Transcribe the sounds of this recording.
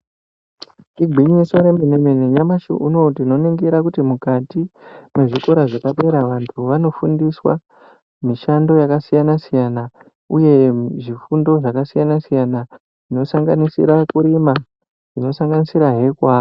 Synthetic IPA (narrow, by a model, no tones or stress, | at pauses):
t͡ʃiɡʱwiɲiso̞ɾe̞menemeneɲamaʃṵʔuno̞tino̞neŋɡeɾakutimukatime̞ʐiko̞ɾaʐakapeɾaʋantʰuʋano̞fundiswa̰ | miʃando̞jakasijanasijana | uje̞ʐifundo̞ʐakasijanasijana | ʐino̞saŋɡanisḭɾakuɾima | ʐino̞saŋɡanisiɾaɦe̞kwaːro